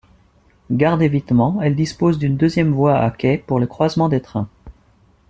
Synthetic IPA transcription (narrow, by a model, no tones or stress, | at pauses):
ɡaʁd̪evit̪mɑ̃ɛld̪ispozd̪ynd̪øzjɛmvwaa̰kʲɛpuʁləkχwazmɑ̃d̪et̪χɛ̃